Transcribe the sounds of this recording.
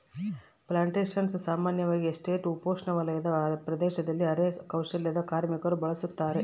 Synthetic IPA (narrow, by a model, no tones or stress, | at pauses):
plaːɳʈeːʃɐnssaːmaːnjɐʋaːɡiesʈeːʈupoːʂɳɐʋɐlɐjɐd̪ɐɾpɾɐd̪ɛːʃɐd̪ɐlːiɐɾeːkɐwʂɐljɐd̪ɐkaːɾmikɐɾubɐɭɐsut̪ːaːɾe̞